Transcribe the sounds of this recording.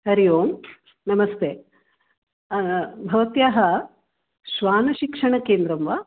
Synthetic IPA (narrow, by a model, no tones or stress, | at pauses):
ɦɐɾijoːm | nɐmɐst̪e | bʱɐʋɐt̪jaːɦɐ | ʃʋaːnɐʃikʂɐɳɐkeːnd̪ɾɐmʋaː